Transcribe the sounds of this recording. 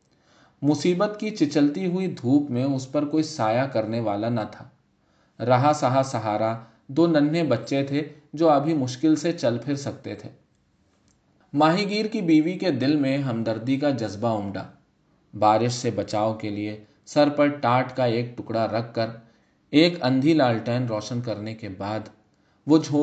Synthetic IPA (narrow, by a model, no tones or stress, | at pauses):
mʊsiːbət̪kit͡ʃɪt͡ʃəlt̪iɦʊid̪ʱuːpmẽʊspɐɾkoːisaːjakɐɾneʋaːlanɐt̪ʰaː | ɾɐɦasɐɦasɐɦaːɾa | d̪oːnɐnːẽbɐtːʃet̪ʰe | d͡ʒoːɐbʱimʊʃkɪlset͡ʃɐlpʰɪɾsɐk̚t̪et̪ʰeː | maːɦiɡiːɾkibiːʋiked̪ɪlmẽɦɐ̃md̪əɾd̪ikad͡ʒɐzbaʊmɖa̰ː | baːɾɪʃsebɐt͡ʃaːokelie | sɐɾpɐɾʈaːʈkaeːk̚ʈʊkɽaɾɐkʰːəɾ | eːkɐ̃nd̪ʱilaːlʈəːɪnɾɔːʃənkɐɾnekebaːd̪ | ʋoːd͡ʒʱoː